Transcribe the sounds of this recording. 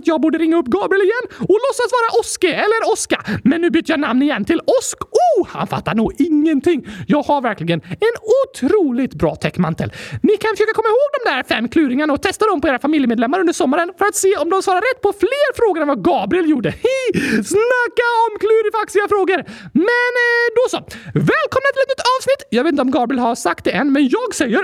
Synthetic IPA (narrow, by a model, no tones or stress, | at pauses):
t̪jɑːɡ̚buːɖəɾɪŋːaɵpːɡɑːbɾɪəlɪjɛnːɔlɔsːasvɑːɾaʔɔskəɛlːəɾɔskamɛnːʉ̟ːbyːt̪əjanamnɪjɛnːt̪ʰɪlɔskuha̰nfa̰t̪ːaɳuːɡɪŋːənt̪ʰɪŋːjɑːɡhaɾvæɾklɪɡənɛnʊt̪ʰɾuːlɪt̪bɾɑ̰ːt̪ʰɛkːma̰nt̪ʰə̰lnɪkʰanfəʂʃøːkakʰɔmːaɪhoːɡd̪ɔmd̪æɾfɛmːkʰlʉːɾɪŋaɳaɔt̪ʰɛst̪ad̪ɔmpɔeːɾafamɪljəmeːd̪lɛmːaɾɵnd̪əɾʂɔmːaɾənfœɾat̪seːɔmd̪ɔmsvɑːɾaɾːɛt̪ːpʰɔfleːɾfɾoːɡəɾɛnvaɡɑːbɾɪɛljuːɖəhɛsnakːaɔmkʰlʉːɾɪfaksɪɡafɾoːɡəɾmɛnd̪ɔsɔvɛːlkʰɔmnat̪ʰɪlɛt̪nʏ̥t̪ʰːɑːvsnɪt̪ːjɑɡvet̪ɪnɔmɡɑːbɾɪəlhaɾsak̚t̪̚d̪ɛʔɛnːmɛnjɑːɡsɛjːəɾ